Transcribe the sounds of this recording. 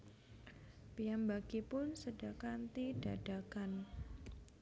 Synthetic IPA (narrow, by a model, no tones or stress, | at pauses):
pijambaɡ̥ipʊnsədakant̪id̥ad̥akan